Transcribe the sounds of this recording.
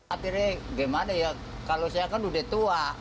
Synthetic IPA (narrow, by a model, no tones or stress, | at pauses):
at̪iɾɛɡɛmanaja | kalosajakanudet̪ua